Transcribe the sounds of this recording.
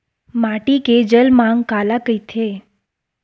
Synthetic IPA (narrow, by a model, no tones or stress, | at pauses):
maʈiked͡ʒəlmaŋkalakəjt̪ʰe